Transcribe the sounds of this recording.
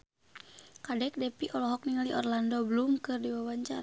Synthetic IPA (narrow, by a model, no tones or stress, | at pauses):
kadɛk̚dɛpiʔɔlɔɦɔk̚niŋaliʔɔrlandɔblumkɨrdiwawaɲt͡ʃa̰